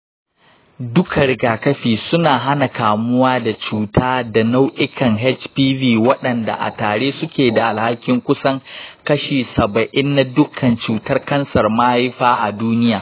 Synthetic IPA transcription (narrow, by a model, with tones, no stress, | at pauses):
dʊ˦kʰa˨ɾɪ˨ɡaː˨kɐ˦ɸiː˨sʊ˦naː˨ɦa˦na˨kaː˨mʊ˦waː˦da˨t͡ʃuː˨taː˦da˨na˦wʔɪ˦kʰɐ˨ŋɦɛ˦t͡ʃpiː˦viː˦wɐ˦ɗɐ˨nda̰˨ʔa̰˨taː˨ɽeː˦sʊ˦kʲeː˨da˨ʔa˨lha˦kʲːɪ˦ŋkʷʊ˦sɐ˦ŋkɐ˦ʃiː˨sɐ˨bɐ˨ʔɪ˦nːa˦dʊ˦kʰɐ˨nt͡ʃuː˨tɐ˦rkɐ˦nsɐ˨rmaː˦ha˦ɸaː˦ʔa˨duː˦nɪ˦jaː˨